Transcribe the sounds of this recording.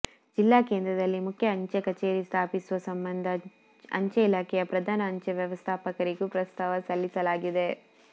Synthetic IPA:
d͡ʒilːaːkeːnd̪ɾɐd̪ɐlːimukʰjɐːɲt͡ʃɐkɐt͡ʃeːɾist̪ʰaːpisuʋɐsɐmbɐnd̪ʱɐ | ɐ̰ɲt͡ʃɐilaːkʰɛjɐpɾɐd̪ʱaːnɐːɲt͡ʃɐʋjɐʋɐst̪ʰaːpɐkɐɾiɡupɾɐst̪ʰaːʋɐsɐlːisɐlaːɡid̪e̞

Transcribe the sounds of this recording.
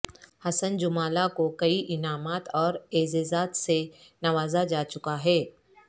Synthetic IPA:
hɐsənd͡ʒʊmaːlakokɐiʔɪnaːmaːt̪ɔːɾeːzɪzaːt̪senɐʋaːzad͡ʒaːt͡ʃʊkaɦɛː

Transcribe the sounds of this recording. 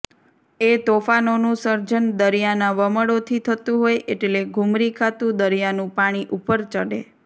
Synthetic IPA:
et̪ofanonũsəɾd͡ʒənd̪əɾijanaʋəməɽot̪ʰit̪ʰət̪ũɦojʔeʈleɡʱumɾikʰat̪ũd̪əɾijanũpaɽ̃iʔupəɾt͡ʃəɽḛ

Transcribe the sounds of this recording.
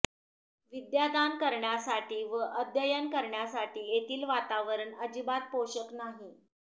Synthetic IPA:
ʋid̪jad̪ankəɾɳjasaʈiːʋəʔəd̪jəjənkəɾɳjasaʈiːjet̪iːlʋat̪aʋəɾənəd͡ʑibat̪̚poɕəknaɦi

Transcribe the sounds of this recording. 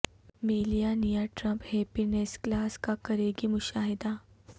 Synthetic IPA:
meːlijanijaːʈɾɐ̃mpheːpɪneːsklaːskakɐɾeːɡimʊʃaːɦɪd̪aː

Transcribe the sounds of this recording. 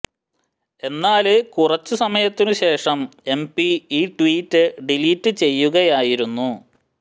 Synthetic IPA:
e̞nːaːlekurɐt͡ɕːusɐmɐjɐt̪ːinuɕe̞ːʂɐme̞mpiiːʈwiːtːɨɖiliːtːɨt͡ɕe̞jːuɣɐjaːjiɾunːu

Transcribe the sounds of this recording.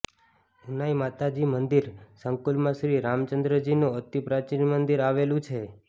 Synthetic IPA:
unajmat̪ad͡ʒimənd̪iɾsəŋkulmãʃɾiɾamt͡ʃənd̪ɾəd͡ʒinũət̪ipɾat͡ʃinmənd̪iɾaʋelũt͡ʃʰe

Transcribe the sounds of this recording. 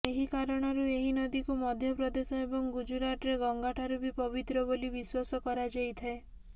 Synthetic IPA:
eɦikaɾɔɽ̃ɔɾueɦinɔd̪ikumɔd̪ʱjɔpɾɔd̪esɔebɔŋɡud͡ʒuɾaʈɔɾeɡɔŋɡaʈʰaɾubipɔbit̪ɾɔbolibiswasɔkɔɾad͡ʒajt̪ʰae

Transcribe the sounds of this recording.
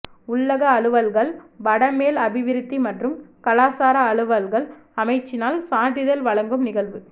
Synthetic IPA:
ʊɭːɐɣɐːɭɯʋɐlɣɐɭʋɐɽɐmeːlɐbɪʋɪɾɪt̪ːimɐʈrɯmkɐlaːsaːɾɐːɭɯʋɐlɣɐɭ | ɐmɐɪt͡ʃːɪnaːlsaːʈːɪðɐlʋɐɭɐŋɡɯmnɪɣɐɭʋɯ

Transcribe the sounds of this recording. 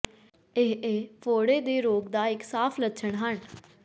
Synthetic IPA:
ɪɦeːpʰoːɽeːd̪eːɾoːɡd̪aːɪksaːpʰlətːʃʰəɳɦən

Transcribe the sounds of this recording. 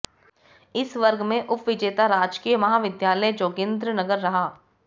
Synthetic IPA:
ɪsʋɐɾɡmẽʔʊpʋɪd͡ʒeːt̪aɾaːd͡ʒkijəmɐɦaːʋɪd̪jaːləjd͡ʒoːɡɪ̃nd̪ɾənɐɡəɾːɐɦaː

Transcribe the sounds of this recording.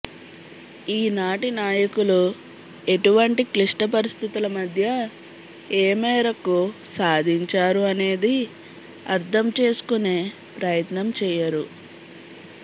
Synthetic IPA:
iːnaːʈinaːjɐkulu | e̞ʈuʋɐɳʈikliʂʈɐp̬ɐɾist̪ʰit̪ulɐmɐd̪ʱjɐ | eːmɛːɾɐkusaːd̪ʱiɲt͡ʃaːɾuɐne̞ːd̪i | ɐɾt̪ʰɐmt͡ʃe̞ːsu̥kuneː | pɾɐjɐt̪nɐmt͡ʃɛːjɐɾu

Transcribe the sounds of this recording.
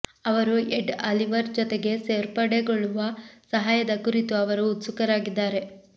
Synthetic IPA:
ɐʋɐɾueɖɐliʋɐɾd͡ʒɔt̪e̞ɡe̞se̞ːɾpɐɽeɡoɭːuʋɐsɐɦaːjɐd̪ɐkuɾit̪uɐʋɐɾuːt̪sukɐɾaːɡid̪ːaːɾe̞

